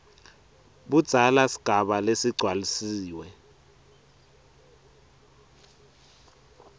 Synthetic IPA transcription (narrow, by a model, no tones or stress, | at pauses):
ɓud̥z̥ʱalasi̥ɡ̥ʱaɓalesiɡ͡ǀʱwalisiːwɛ